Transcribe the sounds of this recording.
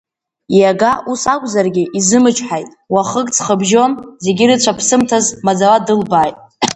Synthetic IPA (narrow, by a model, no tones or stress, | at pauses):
jaɡaʔusakʷʼzarɡʲɪʔizɨmɨt͡ʃʰʼħajtʼwaχəkʼt͡sʰʼχəbʒo̞nze̞ɡʲiɾɨt͡ʃʷʰapʰsɨmtʰazmad͡zawadɨlbaːjtʼ